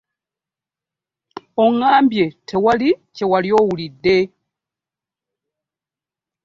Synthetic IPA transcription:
oŋaːmbjetʰewalicewaljoːwulidːe

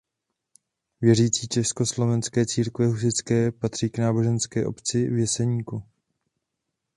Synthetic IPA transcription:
vjɛriːt͡siːt͡ʃɛsko̞slo̞vɛnskɛːt͡siːɾkvɛɦus̬ɪt͡skɛːpat̪r̝̥iːknaːbo̞ʒɛnskɛːʔo̞̰pt͡sɪvjɛsɛɲiːku

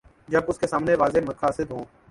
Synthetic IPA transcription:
d͡ʒəbʊskeːsaːmneːʋaːzeːməkʰaːsɪd̪ɦõː

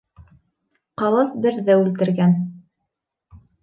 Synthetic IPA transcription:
qɑlˠɤsbɘ̆ɾðæʉlt̪ɘ̆ɾɡæn

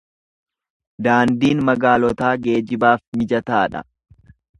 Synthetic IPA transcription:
d̪aːnd̪iːnmɐɡaːlɔt̪aːɡe̞ːd͡ʒɪbaːfmɪd͡ʒɐt̪aːᶑɐ̰

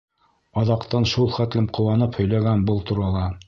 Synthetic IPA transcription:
ɑðɑqt̪ɑnʃulˠχæt̪lɘmqŏw̪ɑnɤphɵ̆jlæɡænbɤlˠt̪uɾɑlˠɑ

